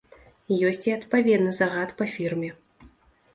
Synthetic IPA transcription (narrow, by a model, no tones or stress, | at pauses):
jɔsʲt͡sʲiɐt̪pavʲɛd̪nɨzaɣat̪pɐfʲirmʲɛ